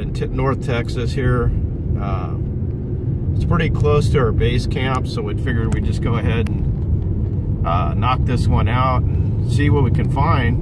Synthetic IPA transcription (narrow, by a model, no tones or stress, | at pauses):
ɨ̃ntʰɪp̚nɔɹθtʰɛksɨshiɹ | ʌ | ɨtspʰɹ̥ɪɾikʰl̥oʊstʰɨə˞beɪskʰæ̃mpsoʊwid̥fɪɡjə˞wid͡ʒʌsɡ̥oʊɨɦɛɾn̩ | ʔʌnɑk̚ðɪswʌ̃naʊɾn̩ | siwʌt̚wikɨ̃nfãɪ̃nd̥